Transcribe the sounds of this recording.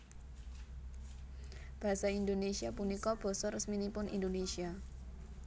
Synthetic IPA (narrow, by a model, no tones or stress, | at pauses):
b̥aɦasaindonesiapunikɔb̥ɔ̤sɔrəsminipʊnʔḭndonesia